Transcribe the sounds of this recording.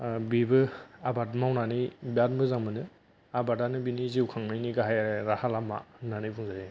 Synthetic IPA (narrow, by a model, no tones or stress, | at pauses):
bibɯabat̚mawnanɯjbat̚mbɯzaŋmɯnɯ | abadanɯbiniziwkʰaŋnajniɡaɦajɾahalama̰nanɯjbuŋzaɾi